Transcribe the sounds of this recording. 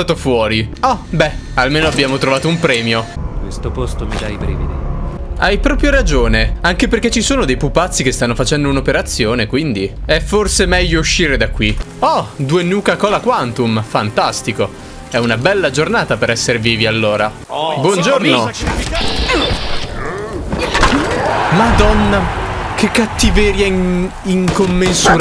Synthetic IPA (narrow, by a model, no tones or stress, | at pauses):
aːt̪ofwɔːɾiɔbɛalmeːnoabːjaːmot̪ɾovaːt̪oumpɾɛːmjokwest̪opost̪omid̪ajbɾivid̪i | ajpɾɔːpɾjoɾad͡ʒoːneaŋkeperket͡ʃisoːnod̪ejpupːat̪sːikest̪anːofat͡ʃɛnd̪ounopeɾat̪sːjoːnekwind̪iɛfːorsemɛʎːouʃːiːɾed̪akːwi | ɔd̪uenuːkakɔːlakwant̪umfant̪ast̪iko | ɛunabɛlːad͡ʒornaːt̪apeɾɛsːeɾeviːvialːoːɾa | bwɔnd͡ʒorno | mad̪ɔnːakekːat̪ːivɛɾja | iŋkomːensuɾ